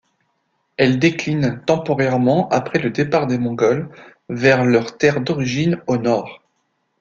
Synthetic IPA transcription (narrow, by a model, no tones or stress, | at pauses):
ɛld̪eklint̪ɑ̃pɔʁɛʁmɑ̃ʔapχɛləd̪epaʁd̪emɔ̃ɡɔlvɛʁlœʁt̪ɛʁd̪ɔʁiʒinonɔːʁ